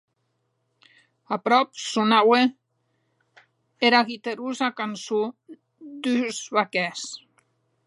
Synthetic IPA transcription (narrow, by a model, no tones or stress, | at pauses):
apɾɔp̚sunawe | eɾaɣit̪eɾuzakanso | d̪yzβakɛs